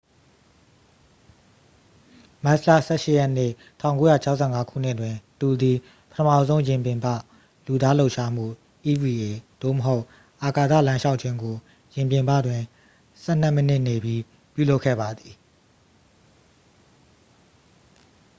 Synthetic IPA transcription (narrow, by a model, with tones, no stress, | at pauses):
ma˦sla̰˦˨sɛ˦˨ʃɪ̰˦˨jɛ˦n̥ɪ̰˦˨ | tʰã˦˨ʊ̃ŋko˦jä˦˨t͡ɕʰa˦ʔsʰɛ˦˨ŋa˦kʰṵ˦˨n̥ɪ˦ʔtwɪ̃˨tu˨d̪i˨ | pətʰəma̰˦˨zõ˦ʊ̃jɪ̃˨mp̬jɪ̃˨mpä̰˦˨ | lu˨d̪a˦lo˦ʊʔʃa˦m̥ṵ˦˨ | ʔi˨vi˨e˨d̪̥o̰˦˨məɦo˦ʊʔ | ʔa˨ka˨t̪ä̰˦˨lã˦ʃa˦ʊʔt͡ɕʰɪ̃˦ŋɡo˨ | jɪ̃˨mpjɪ̃˨mbä̰˦˨dwɪ̃˨ | sɛ˦˨n̥ɛ˦˨mə˦nɪ˦˨ne˨bji˦ | pjṵ˦˨lo˦kʰːɛ̰˦˨ba˨d̪ði˨